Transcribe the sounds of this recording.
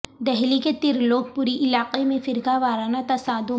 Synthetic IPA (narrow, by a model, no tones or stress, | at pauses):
d̪ɛɦliket̪ɪɾloːɡ̚puːɾiʔɪlaːqemẽfɪɾɡaʋaːɾaːnat̪ɐsaːd̪õ